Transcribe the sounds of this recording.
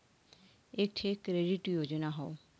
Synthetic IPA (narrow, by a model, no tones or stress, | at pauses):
ek̚ʈʰekɾeɖiʈujod͡ʑonaɦɔo